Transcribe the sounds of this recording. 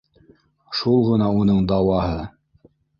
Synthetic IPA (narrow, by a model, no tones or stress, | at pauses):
ʃulˠʁɤ̆nɑunɤɴd̪ɑwɑɦɤ